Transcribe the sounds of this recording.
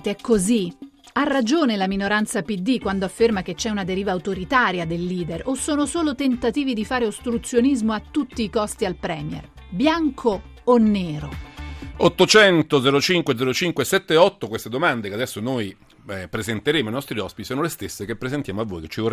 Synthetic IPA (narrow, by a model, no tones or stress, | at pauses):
t̪ɛkːozi | arːad͡ʒoːnelaminoɾant̪sapid̪ːikːwand̪oafːermak̟et͡ʃːɛunad̪eɾiːvaːut̪oɾit̪aːɾjad̪elːiːd̪erʔosːoːnosoːlot̪ent̪at̪iːvid̪ifaːɾeost̪ɾut̪sːjonizmoat̪ːut̪ːiːkɔst̪ialpɾɛ̰ːmjɛ̰r | bjaŋkʰoː | nːeːɾo̰ | ot̪ːot͡ʃɛnt̪od̪zɛɾot͡ʃiŋkwed̪ɛɾot͡ʃiŋkwesɛt̪ːeɔt̪ːokwest̪ed̪omand̪ekead̪ɛsːonoːj | pɾezent̪eɾeːmoainɔst̪ɾiɔspit̪isoːnolest̪esːekepːɾezent̪jaːmoavːoːjket͡ʃːior